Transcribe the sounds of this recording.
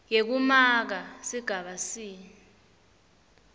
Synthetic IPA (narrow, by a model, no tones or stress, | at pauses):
kek̬umak̬asiɡ̥ʱaɓasiː